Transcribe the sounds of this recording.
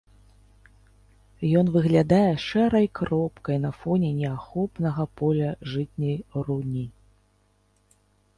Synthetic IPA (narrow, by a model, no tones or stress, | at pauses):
jɔnvɨɣlʲad̪ajɛʂɛɾɐjkrɔpkɐjn̪ɐfɔnʲɛnʲɛaxɔpnɐɣɐpɔlʲɐʐɨt͡sʲnʲɐjrunʲi